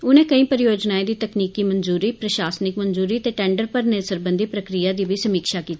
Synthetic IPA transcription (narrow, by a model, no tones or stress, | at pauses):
ʊnẽːkəĩːpəɾɪjoːd͡ʒnaːẽːd̪iːt̪əkniːkiːmənzuːɾiːpɾəʃaːsnɪkmənzuːɾiːət̪eːʈɛ̃ːɳɖəɾpəɾnesəɾbənd̪iːpɾəkɾijaːd̪iːʋiːsəmiːkʃaːkiːt̪iː